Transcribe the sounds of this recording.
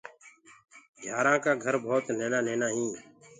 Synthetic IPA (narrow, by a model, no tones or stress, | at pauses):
d͡ʒʱjaːɾãːkaːɡʱəɾbʱoːt̪neːnãːneːnãːɦĩː